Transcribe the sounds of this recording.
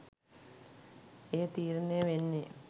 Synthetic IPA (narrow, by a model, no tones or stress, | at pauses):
eət̪iːɾnejəʋenːe